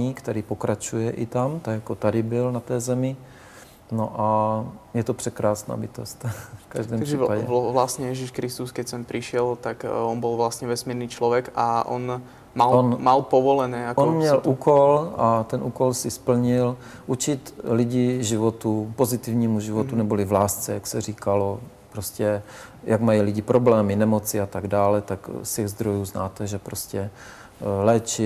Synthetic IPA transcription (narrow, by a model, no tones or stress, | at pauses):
iːkt̪ɛɾiːpokɾat͡ʃujɛʔit̪amt̪aɡjakot̪adɪbɪlnat̪ɛːzɛmɪ | noʔajɛt̪opr̥ɛkɾaːsna̰ːbit̪o̰st̪fkaʒdɛːmaɡrɛːpaɟɛ̰ʋlast̪ɲɛjɛʒiʃkɾist̪uskɛcsɛmpɾiʃɪɛlt̪akɔnbɔlʋlast̪ɲɛʋɛsmiːɾniːt͡ʃlɔʋɛka̰ʔɔ̰n | malonmalpɔʋɔlɛnɛːaomɲɛlʔuːkolat̪ɛnʔuːkolsɪspl̩ɲɪl | ʔut͡ʃɪt̪lɪɟɪʒɪvot̪upozɪt̪ɪvɲiːmuʒɪvot̪unɛbolɪvlaːst͡sɛjaksɛr̝iːkalo | pɾoscɛ | jʔaɡmajilɪɟɪpɾoblɛːmɪnɛmot͡sɪat̪aɡdaːlɛt̪akstɛɣzd̪ɾojuːznaːt̪ɛʒɛpɾoscɛ | lɛːt͡ʃɪ